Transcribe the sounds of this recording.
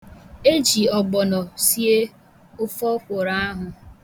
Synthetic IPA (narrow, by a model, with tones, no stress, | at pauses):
e˦d͡ʒi˨ɔ˨ɡ͡bɔ˨nɔ˨si˦e˦ | ʊ˦fɔ˦kʷʊ˨ɾa˦a˦ɦʊ˨